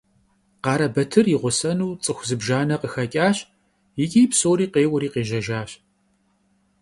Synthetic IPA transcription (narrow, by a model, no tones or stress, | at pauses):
qɑːɾɐbɐtʰɨrjɪʁʷʊsɐnuːt͡sʼɨxʷzɨbʒaːnɐqəxɐkʲʼaːɕ | jɪkʲʼiːjpsoːɾiːqeːwʊɾiːqeːʒɐʒaːɕ